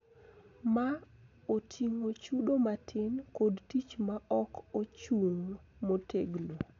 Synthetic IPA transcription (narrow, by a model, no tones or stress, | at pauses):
ma | otʰiŋot͡ʃuɗomatʰɪnkodtit͡ʃmaʔɔkot͡ʃuŋmotʰeɡlo